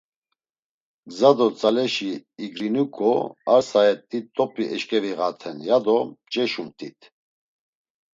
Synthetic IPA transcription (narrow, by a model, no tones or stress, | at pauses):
ɡzad̪ɔt͡sʼalɛʃiːɡɾinukʰʼɔaɾsaɛt̪ʼːit̪ʼːɔpʼiʔɛʃkʼɛviɣat̪ʰɛnjad̪ɔt͡ʃʼɛʃumt̪ʼit̪ʰʼ